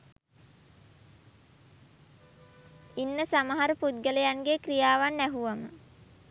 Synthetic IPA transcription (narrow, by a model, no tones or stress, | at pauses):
inːəsamaɦaɾəput̪̚ɡələjaŋɡekrijaːʋanːæɦuʋamə̰